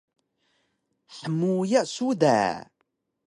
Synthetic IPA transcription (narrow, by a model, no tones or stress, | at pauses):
ħəmːujæsuðæ̰ʕ